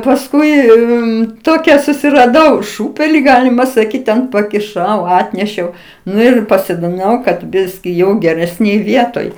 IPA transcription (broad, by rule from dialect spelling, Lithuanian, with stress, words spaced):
pɐsˈkʊɪ ɪ ˈtoːkʲɛ sʊsʲɪrɐˈdɐʊ ˈʃuːpʲɛlʲɪ ˈɡɑːlʲɪmɐ sɐˈkʲiːt tʲɛn pɐkʲɪˈʃɐʊ ˈɑːtʲnʲɛʃʲɛʊ ˈnʊ ɪr pɐsoːdʲɪˈnɐʊ kɐt ˈbʲɪsʲkʲɪ ˈjɛʊ ɡʲɛrʲɛsʲˈnʲeːj ˈʋʲiɛtoːj